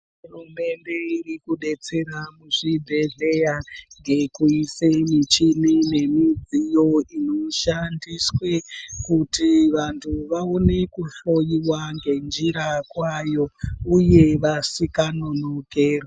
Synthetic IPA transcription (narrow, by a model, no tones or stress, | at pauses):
ɦurume̞nde̞irikuɗe̞t͡se̞ɾamuʐibʱe̞ɮe̞jaŋɡe̞kuisemit͡ʃinine̞mid͡zijo̞ino̞ʃandiswe̞kutiʋantʰuʋaone̞kuɬo̞jiwaŋɡe̞nd͡ʒiɾakwajo̞uje̞ʋasikano̞no̞keːro